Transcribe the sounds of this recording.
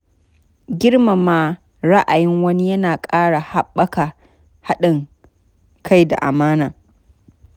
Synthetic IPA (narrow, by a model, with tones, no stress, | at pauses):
ɡʲɪ˦ɽma˨maː˦ | ɾa˦ʔa˨jɪ˦ŋwɐ˦ni˦jɐ˦naː˨kʼaː˦ɽa˨ha˦ɓːɐ˦ka˨ | ha˦ɗɪ˨ŋ | kʰa˦˨jda̰˨ʔa̰˨maː˦naː˨